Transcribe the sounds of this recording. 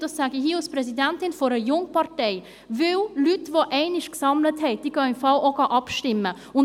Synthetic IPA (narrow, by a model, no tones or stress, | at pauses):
d̥ɑsaɡiɦiːɑlsprɛsidɛntɪnfɔɾəjʊŋpɑɾtɛɪ | vɪllytvoʔɛɪnɪʃksɑmləthɛɪd̥iːɡ̥ɑɪmfɑlʔoɡɑʔɑpʃtɪmːə | ʊn